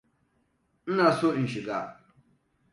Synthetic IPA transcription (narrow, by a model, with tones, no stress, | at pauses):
n̩˦naː˨so˦˨n̩˨ʃɪ˨ɡaː˦˨